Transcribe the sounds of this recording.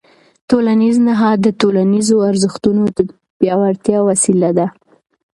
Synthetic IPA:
t̪olaniznaɦɑd̪ːətolanizoaɾzəxt̪unod̪ə | bjɑwaɾt̪jɑwasilad̪a

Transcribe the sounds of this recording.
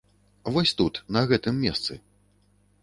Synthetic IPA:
vɔsʲt̪ut̪nɐɣɛt̪ɨmːʲɛst̪sɨ

